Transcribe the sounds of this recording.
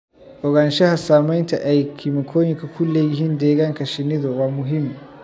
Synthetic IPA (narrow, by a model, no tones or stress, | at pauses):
ʔɔɡɐnʃɛhasaːmɐntaʔajkʰimikʰoːjikakʷʊlːejɦɪndeːɡɐŋkaʃɪnidowaːmʊɦɪm